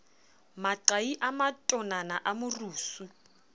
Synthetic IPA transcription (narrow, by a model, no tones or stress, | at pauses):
maǁaiʔamatʼɔnanaʔamʊruːsu